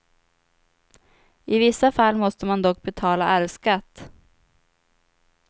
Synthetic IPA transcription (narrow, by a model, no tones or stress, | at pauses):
ɪvɪsːafalːmɔst̪əmand̪ɔk̚ːbɛt̪ʰɑːlaʔæɾskat̪ː